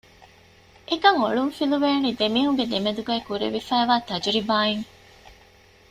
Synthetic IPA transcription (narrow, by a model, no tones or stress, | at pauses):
ʔekɐŋoɭuŋfiluʋeːnid̪emiːɦuŋɡed̪emed̪uɡæːkuɾḛʋifæːʋaːt̪ɐd͡ʒuɾibaːeŋ